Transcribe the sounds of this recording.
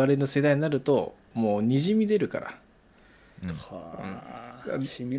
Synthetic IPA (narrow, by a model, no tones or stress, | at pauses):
aɾe̞no̞se̞d̪aiɲinaɾɯ̟t̪o̞ | moːɲ̟iʑimʲid̪e̞ɾɯ̟ka̰ɾa̰ | ɯ̰̃a